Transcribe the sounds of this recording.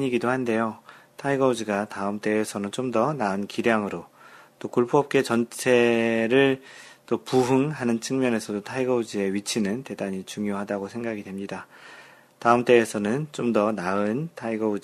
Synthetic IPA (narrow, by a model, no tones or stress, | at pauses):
ɲiɡidohande̞jotʰaiɡʌud͡ʑiɡataɯmt͈e̞ːsʰʌnɯnt͡ɕomdʌnaɯnkiɾjaŋɯɾo | t͈okuɭpʰoʌp̚k͈e̞t͡ɕʌnt͡ɕʰe̞ɾɯɭt͈opuɦɯŋɦanɯnt͡ɕʰɯŋmjʌne̞sʰʌdotʰaiɡʌud͡ʑie̞ɥit͡ɕʰinɯnte̞daɲit͡ɕuŋjoɦadaɡosʰe̞ŋɡaɡidwe̞mɲida | taɯmt͈e̞ːsʰʌnɯnt͡ɕ͈omdʌnaɯntʰaiɡʌud͡ʑ